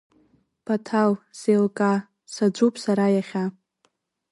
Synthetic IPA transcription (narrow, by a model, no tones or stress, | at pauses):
b̥atʰalsejlkʼa | sad͡ʒʷupʼʰsaɾajaχʲa